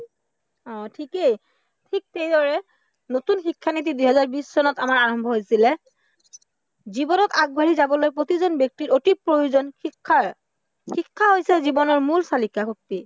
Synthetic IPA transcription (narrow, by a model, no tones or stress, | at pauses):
ɔ̃tʰikej | tʰik̚tejdɔɹɛ | notunxikʰːanit̬idujɦɛzaɹbisːɔnɔtamaɹaɹɔmbʱɔɦojsilɛ | zibɔnɔtaɡ̚bʱaɹizabɔlojpɹot̪izɔnbjek̚tiɹotipɹojozɔnikʰːa | xikʰːaɦojsɛzibɔnɔɹmulsalikaxok̚pi